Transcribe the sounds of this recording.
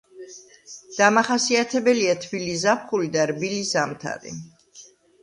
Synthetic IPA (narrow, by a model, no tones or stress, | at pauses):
d̪̥amaχasiat̪ʰɛbɛliat̪ʰbiliszapχulid̪aɾbilizamt̪ʰa̰ɾḭ